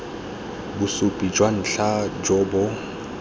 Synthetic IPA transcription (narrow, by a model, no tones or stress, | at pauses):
bʊsʊpʼid͡ʒwan̩ɬad͡ʒɔːbɔ